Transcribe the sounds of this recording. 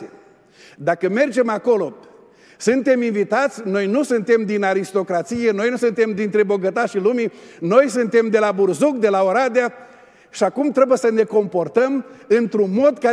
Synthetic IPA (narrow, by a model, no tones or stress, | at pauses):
e | d̪akəme̞rd͡ʒe̞mako̞lo̞ | sɨnt̪e̞minvit̪at̪sʲno̞jnusɨnt̪e̞md̪inaɾist̪o̞kɾat̪sijeno̞jnusɨnt̪e̞md̪int̪ɾe̞bo̞ɡət̪aʃilumino̞jsɨnt̪e̞md̪e̞laburzuk̚d̪e̞laoɾad̪ea | ʃiakumt̪ɾe̞bujesəne̞ko̞mpo̞rt̪əmɨnt̪ɾunmo̞d̪ka